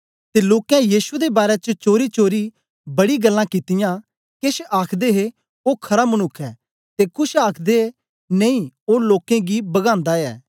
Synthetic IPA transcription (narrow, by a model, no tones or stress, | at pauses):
t̪eloːkɛ̃jiːsʊed̪ebaːɾet͡ʃət͡ʃoːɾit͡ʃoːɾi | bɐɽiɡɐlːãkɪt̪ɪjã | keːʃaːkʰd̪eɦe | okʰɐɾamɐnʊkʰːɛː | t̪ekʊʃaːkʰd̪eɦe | nɐ̃ĩoːloːkẽɡibɐɡãːnd̪aɛ̰ː